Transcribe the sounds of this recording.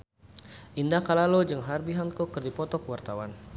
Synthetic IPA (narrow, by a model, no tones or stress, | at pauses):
ʔindahkalalod͡ʒɨŋɦarbiɦankɔkɨrdipɔt̪ɔkəwart̪awan